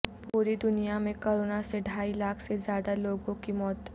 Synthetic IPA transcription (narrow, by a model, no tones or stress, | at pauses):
puɾid̪unijamekoɾonaseɖʱailakʰsed͡zjad̪aloɡõkimɔːt̪